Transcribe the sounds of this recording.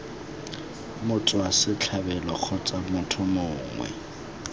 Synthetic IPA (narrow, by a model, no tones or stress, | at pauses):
mʊt͡sʼʊasɪt͡ɬʰabɛlɔk͡xʰɔt͡sʼamʊtʰʊmʊːŋwɛ̰